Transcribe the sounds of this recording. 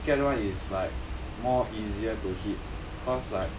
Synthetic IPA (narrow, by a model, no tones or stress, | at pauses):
kɛtwãnislaɪk̚ | mɔʔiziətuhit̚ | kʰɔtslaɪk̚